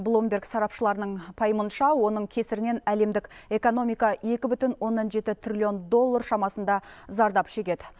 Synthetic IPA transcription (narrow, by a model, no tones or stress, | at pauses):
blˠombʲe̞ɾksɑɾɑpʃəlˠɑɾənəɴpʰɑjəmənʃɑwo̞nəɴkʲʰe̞sɪɾɪne̞næle̞md̪ɪke̞ko̞no̞mijkɑje̞kʲɪbʏt̪ɪnwo̞nːɑnʒe̞t̪ɪt̪ʰrʲilʲio̞nd̪o̞lˠːarʃɑmɑsənd̪ɑzɑɾd̪ɑpʃe̞kʲe̞d̪ɪ